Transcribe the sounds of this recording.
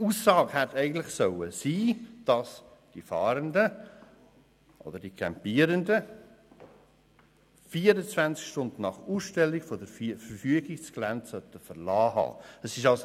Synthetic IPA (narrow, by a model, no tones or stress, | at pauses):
uːsːɑːɡhætɛɪɡən̩tlɪxsœwəsiːd̥ɑsd̥ifɑːɾəndə | ʔo̰d̥əd̥ikʰɛmpiːɾəndə | fiːəɾət͡svænskʃtʊndən̩ːɑχuːsʃtɛlːiɡfodəɾffəɾfyəɡɪsklæntsœtəfəɾlɑːɦɑ̰ːəsɪʃɑls